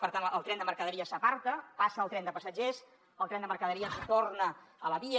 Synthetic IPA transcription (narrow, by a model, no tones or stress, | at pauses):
pəɾt̪anəlˠt̪ɾɛnd̪əməɾkəðəɾiəsəpaɾt̪əpasəlˠt̪ɾɛnd̪əpəsəd͡ʒes | əlˠt̪ɾɛnd̪əməɾkəðəɾiəst̪ornəələβi